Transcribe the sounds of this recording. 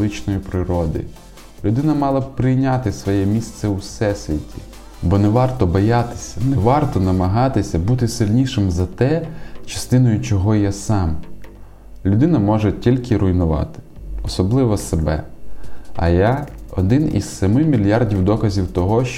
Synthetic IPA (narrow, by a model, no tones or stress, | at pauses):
ɪt͡ʃnɔjipɾɪɾɔd̪ɪ̰ | lʲʊd̪ɪnɐmɑlˠɐpɾɪjnʲat̪ɪsʋɔjɛmʲist̪sɛwsɛsʲʋʲitʲi̥ | bɔnɛʋɑrt̪ɔbɔjɑt̪ɪ̥sʲɐnɛʋɑrt̪ɔnɐmɐɦɑt̪ɪsʲɐbut̪ɪsɪlʲnʲiʃɪmzɐt̪ɛt͡ʃɐ̥st̪ɪnɔjʊt͡ʃɔɦɔjasɑm | lʲʊd̪ɪnɐmɔʒɛtʲilʲkɪɾʊjnʊʋɑ̰t̪ɪ̥ɔsɔblˠɪʋɔsebɛ̰ | ɐ̰jaɔ̰d̪ɪnḭzsɛmɪmʲilʲjɑrdʲiwd̪ɔkɐzʲiwt̪ɔɦɔʃ